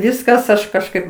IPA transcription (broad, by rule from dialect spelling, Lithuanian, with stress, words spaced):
ˈʋʲɪskɐs ˈɐʃ kɐʃˈkɐɪp